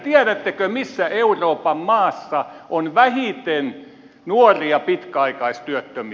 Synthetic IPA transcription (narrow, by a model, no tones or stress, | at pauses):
t̪iæɾæt̪ːekømisːæeuroːpɑmmɑːsːɑʔonʋæhit̪en | nuoriɑpit̪kæɑikɑist̪yøt̪ːømi